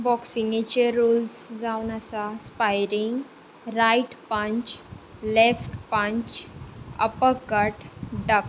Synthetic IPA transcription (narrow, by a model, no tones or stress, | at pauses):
bɔksiŋɡet͡ɕeɾuːlsd͡zaunəsaspajɾiŋɡ | ɾaiʈpəɲt͡ɕlefʈpəɲt͡ɕə̰pəkːəʈɖək